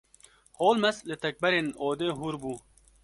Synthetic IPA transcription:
hoːlmɐslɪt̪ɐk̚bɐɾenoːd̪eːɦuːɾbuː

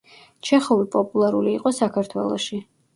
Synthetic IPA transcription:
t͡ʃʰɛχɔvipʼɔpʼulˠaɾuliːqʼɔsakʰaɾt̪ʰwɛlˠɔʃi

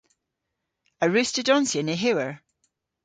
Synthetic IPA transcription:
əɹʉstədɔnsiəneɦʉwəɹ

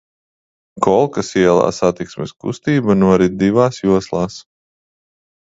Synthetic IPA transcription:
kɔlˠkasiɛlˠa̰ːsat̪iksmɛskṵst̪iːbanuɔɾid̪ivaːsjuɔslˠaːs

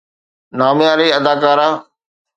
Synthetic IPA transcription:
naːmjaːɾeːɐd̪aːkaːɾaː

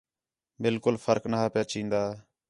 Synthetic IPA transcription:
bɪlkʊlfʰəɾknaɦaːpjaːt͡ʃĩːnd̪aː

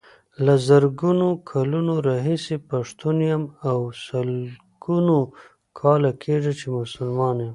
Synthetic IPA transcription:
lazaɾɡunokʰalunoɾɑɦisepaʂt̪unjamawsal | ɡ̥uno | kʰɑlakʰeʐat͡ʃemʊsʊlmɑnjam

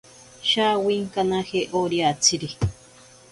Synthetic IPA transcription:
ʃawiŋkanãheʔoɾiat͡siɾi

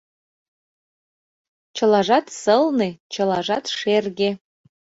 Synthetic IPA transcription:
t͡ʃʰəlaʐatʰsɨlnet͡ʃʰəlaʐatʰʂerɡʲe

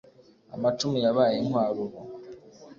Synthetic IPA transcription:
a̰matumijaβaːjenwaːɾuɾo

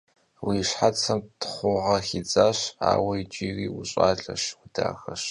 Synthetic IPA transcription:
wiːɕħat͡sʰɐmtʰχʷʊʁɐxid͡zaːɕa̰ːwɐit͡ʃʼiriːwʊɕʼaːɮʼɐʃwʊda̰ːxɐɕ

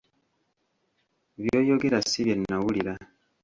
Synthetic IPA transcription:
βjoːjoɡeɾasiβjenːawuliɾa

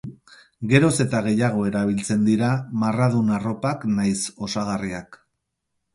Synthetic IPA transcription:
ɡe̞ɾo̞se̞t̪aɣ̞e̞jaɣ̞o̞e̞ɾaβ̞ilt͡se̞nd̪iɾamarað̞unaro̞paknajso̞saɣ̞ariak

